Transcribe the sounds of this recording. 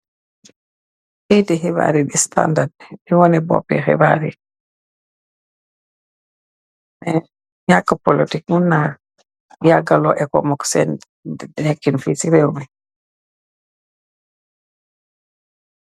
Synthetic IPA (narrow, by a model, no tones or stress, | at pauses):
ʔɛjtɛɦɛba̰ɾiɗista̰ndadɓɛwɔnɛbɔ̰pːɛ̰ɦɛ̰baɾḭ | mɛ | ɲakːapolitikŋunːa | jaɡalɔʔɛkɔ̰mɔksɛn | ddekːinfisiɾewmɛ